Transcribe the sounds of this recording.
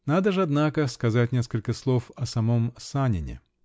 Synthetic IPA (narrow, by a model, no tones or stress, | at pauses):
nad̪əʐɨɐd̪nakəskɐzatʲnʲe̞skəlʲkəslˠo̞fɐsɐmomsanʲɪ̰nʲɪ̰